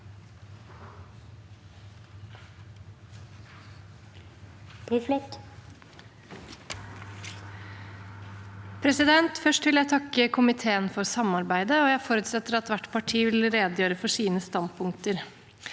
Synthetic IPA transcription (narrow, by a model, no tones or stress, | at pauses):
p̪ʰɪflɪt | pʰɾɛsɪd̪ɛnt̪fœʂʈʋɪljæɪt̪ʰɑkːəkʰʊmɪt̪ʰeːənfɔɾsɑmɑɾbæɪd̪əɔjæɪfoːɾʉt̪sɛt̪ːəɾɑt̪ʋæʈpʰɑʈʰiːʋɪlɾeːd̪əjøːɾəfɔʂiːnəst̪ɑnd̪̚pʰʊŋk̚t̪əɾ